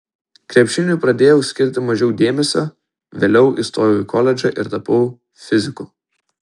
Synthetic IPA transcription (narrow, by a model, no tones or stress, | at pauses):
kɾʲɛpʲʃʲɪnʲuˑpɾɐd̪ʲeːjɛʊsʲkʲɪɾʲt̪ʲɪmɐʒʲɛʊd̪ʲeːmʲɛsʲo | ʋʲeːlʲɛʊʔist̪oːɾʲɪjukʰɔlʲɛd͡ʒʲɛʔɪɾt̪ɐpɐʊ | fʲɪzʲɪkʊ